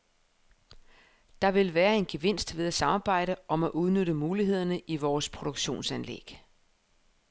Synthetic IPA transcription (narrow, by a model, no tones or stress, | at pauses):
d̥ɑ̈ʋe̝lʋæːɐe̝nɡ̥e̝ʋe̝n̰sd̥ʋe̝ð̞ˠæsɑ̈mɑ̈ːb̥ɑ̈ɪ̰ɾəʔɒ̽mæʔuð̞ˠnøɾəmuːliɦe̝ð̞̰ˠɐnəʔiʋɒːspʰʁo̝d̥oɡ̥ɕo̝̰ːnsænlḛɡ̥